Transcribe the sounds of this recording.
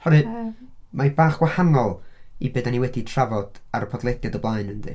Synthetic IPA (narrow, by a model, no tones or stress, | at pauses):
hɔɾɨ | mabaːχɡ̥wahanɔlˠibeːdaniwɛditʰravɔd̥aɾəpʰɔdlˠɛdjɔdəblˠaɨnəndɨ̰